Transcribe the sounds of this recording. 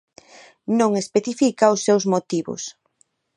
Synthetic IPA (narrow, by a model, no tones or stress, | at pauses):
nõŋespeθifikaʊsːewzmot̪iβʊ̰s